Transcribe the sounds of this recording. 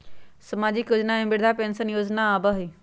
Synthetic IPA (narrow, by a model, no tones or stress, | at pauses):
sɐmaːd͡ʑikʊd͡ʑnaẽmbɪɽd̪ʱapensənjoːznaːbəɦiː